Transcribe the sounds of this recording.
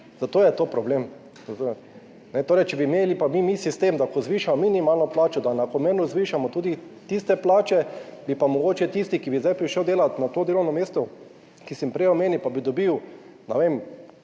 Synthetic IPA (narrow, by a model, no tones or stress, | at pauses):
zat̪oːjɛt̪oːpɾɔblem | zat̪o | nɛt̪oːɾɛjt͡ʃɛbimeːlipamimisist̪emd̪akɔzʋiːʃamɔminimalnɔplaːt͡ʃɔd̪anakomeːnuzʋiːʃamɔt̪uːd̪it̪ist̪ɛplaːt͡ʃɛbipamɔɡoːt͡ʃɛt̪ist̪ikibizd̪ajpɾiʃəwd̪eːlanat̪oːd̪eːlɔwnɔmeːst̪ɔ | kisimpɾɛjɔmeːnipabid̪ɔbiwnɛʋem